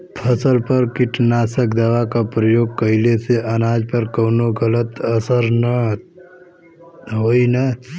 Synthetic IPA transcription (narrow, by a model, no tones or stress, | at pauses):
pʰəsəlpəɾkɪʈnaːsəkd̪ɐʋakapɾəjoːɡ̚kəɪleseʔənaːd͡ʒpəɾkəːnoɡələt̪əsəɾnə | ɦoːina